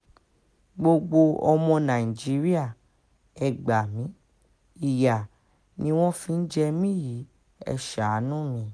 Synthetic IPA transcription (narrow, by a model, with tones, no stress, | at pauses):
ɡ͡bo˧ɡ͡bo˧ɔ˧mɔ̃˧nã˨i˨d͡ʒi˨˦ɾi˦a˦˨ | ɛ˨ɡ͡ba˨mĩ˨˦ | i˦˨ja˨ | nĩ˧˦w̃ɔ̃˦fĩ˧n̩˦d͡ʒɛ˧mĩ˦˨ji˨˦ | ɛ̰˧ʃa˨˦nũ˦mĩ˧